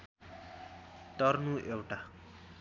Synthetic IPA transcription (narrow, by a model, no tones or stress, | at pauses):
t̪ʌrnuʔewʈa